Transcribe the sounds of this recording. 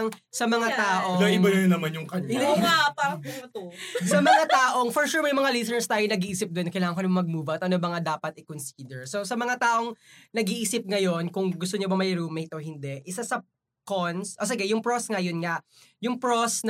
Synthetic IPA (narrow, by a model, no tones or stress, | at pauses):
ŋsɐmɐŋat̪aːʔod̪ɐʔɪbɐjɐnɐmanjʊŋkɐnoapaːɾɐʊɐt̪osɐmɐŋat̪aːʔoŋfɔɹʃuːɹmɐjʊŋmɐŋalisɛnɛɹst̪aːjonɐɡiʔiːsɪp̚d̪ʊɛnkɐjlaːŋɐŋkʊnɐmɐmɐɡ̚muːvɐɐt̪̚ʔɐnobɐŋad̪aːpɐt̪̚ʔɪkonsiːd̪ɛɹsosɐmɐŋat̪aːʔo̞ŋnɐɡiʔiːsɪp̚ŋɐjo̞nkʊŋɡʊst̪oɲobɐmɐjɪɾuːmɛjt̪ʔohɪnd̪ɛʔɪsasɐ | konsʔos̬ɪɡɛjʊŋpɹosŋɐjʊnŋaʔ | jʊŋpɹosn